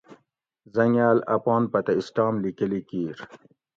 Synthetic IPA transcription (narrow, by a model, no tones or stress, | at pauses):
zɐŋaːlɐ̰pɑːnpɐt̪aisʈɑːmlikəlikiːɾ